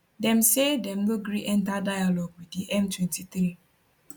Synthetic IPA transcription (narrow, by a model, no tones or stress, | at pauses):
dɛ̃msedɛ̃mloɡɾiʔɛ̃ntadajalɔɡwidiʔɛ̃mtwɛ̃ntiθɾi